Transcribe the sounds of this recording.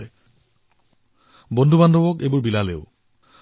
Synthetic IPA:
bɔndʱubandʱɔwɔkejbuɹbilaleʊ

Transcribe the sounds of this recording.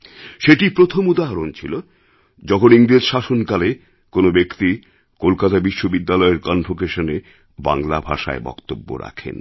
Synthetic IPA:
ʃeʈipɾot̪ʰomud̪aɦaɾont͡ɕʰilo | d͡ʑɔkʰoniŋɾed͡ʑʃaʃonkale | konobekt̪i | kolkat̪abiʃːobid̪ːalɔeɾkɔnfokeʃone | ba̰ŋlabʱaʃa̰ebɔ̰kt̪obːo̰ɾa̰kʰḛn

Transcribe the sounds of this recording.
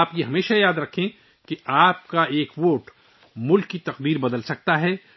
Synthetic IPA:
pjeɦɐmeːʃajaːd̪ɾɐkʰːẽ | keaːp̚kaeːkʋoːʈ | mʊlkːit̪ɐqd̪iːɾbɐd̪əlsɐk̚t̪aɦɛː

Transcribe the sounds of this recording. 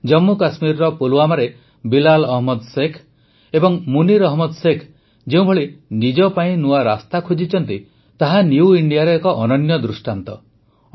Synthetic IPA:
d͡ʒɔmːukasmiɾɾɔpoluamaɾe | bilalɔɦmɔd̪sekʰ | ebɔŋmuniɾɔɦmɔd̪sekʰ | d͡ʒeũbʱɔɭinid͡ʒɔpaĩnuaɾast̪akʰud͡ʒit͡ʃʰɔnt̪i | t̪aɦaniuiɳɖijaɾɔekɔʔɔnɔnjɔd̪ɾusʈant̪ɔ

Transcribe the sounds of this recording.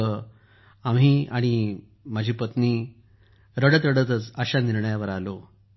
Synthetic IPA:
ə | amɦiːaɽ̃i | mad͡ʑʱiːpət̪niː | ɾəɽət̪ɾəɽət̪ət͡səɕaniɾɳəjaʋəɾalo

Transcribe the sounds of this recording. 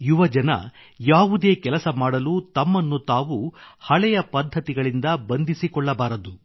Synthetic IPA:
juʋɐd͡ʒɐnɐ̰ | jaːʋud̪e̞ːkɛlɐsɐmaːɽɐluːt̪ɐmːɐnːut̪aːʋuhɐɭɛjɐpɐd̪ʱːɐt̪iɡɐɭind̪ɐbɐnd̪ʱisikɔɭːɐbaːɾɐd̪u

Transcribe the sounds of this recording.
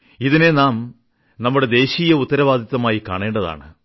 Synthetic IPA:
iðine̞naːm | nɐmːuɽe̞d̪e̞ːɕiːjɐut̪ːɐɾɐʋaːd̪ʱit̪ːɐmaːjikaːɳe̞ːɳɖɐða̰ːɳɨ

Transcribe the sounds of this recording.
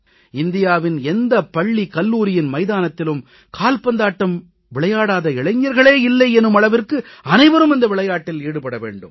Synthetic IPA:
ɪnd̪ɪjaːʋɪnɛnd̪ɐpːɐɭːikɐlːuːɾɪjɪnmɐɪðaːnɐt̪ːɪlɯm | kʰaːlpɐnd̪aːʈːɐm | ʋɪɭɐjaːɽaːðɐɪɭɐɪɲːɐɾɣɐɭeːɪlːɐɪɛnɯmɐɭɐʋɪrkɯɐnɐɪʋɐɾɯmɪnd̪ɐʋɪɭɐjaːʈːɪleːɽɯpɐɽɐʋḛːɳɖɯ̰m

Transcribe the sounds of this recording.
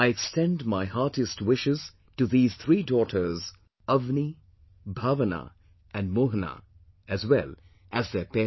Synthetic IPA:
aɪɛkstɛ̃ndmaɪhɑɹtɨstwɪʃɪz̥ | tɨðiːz̥θʰɹiːdɔːɾʰə˞z | ʌvni | bʱavəna̰ | ʔɨ̃nmoɦəna̰ | ɨzwɛl | ʔæzðɛpɛ

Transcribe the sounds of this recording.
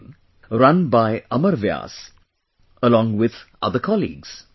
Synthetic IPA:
ɾʌ̃nbaɪʌməɾvja̰ːs | əlɔ̃ŋwɪðʔʌ̰d̪əkʰɔlḭːɡz̥

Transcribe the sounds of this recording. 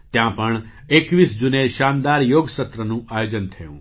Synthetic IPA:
t̪jãpəɳ | ekʋisd͡ʒuneʃãːnd̪aɾjoːɡsət̪ɾənũajod͡ʒənt̪ʰəjṵ̃ː

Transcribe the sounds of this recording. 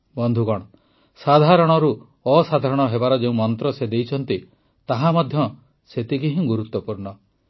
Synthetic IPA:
bɔnd̪ʱukɔɽ̃ɔ | sad̪ʱaɾɔɽ̃ɔɾu | ɔsad̪ʱaɾɔɽ̃ɔɦebaɾɔd͡ʒeũmɔnt̪ɾɔsed̪ejt͡ʃʰɔnt̪i | t̪aɦamɔd̪ʱjɔ | set̪ikiɦĩɡuɾut̪ːɔpuɾɳɔ

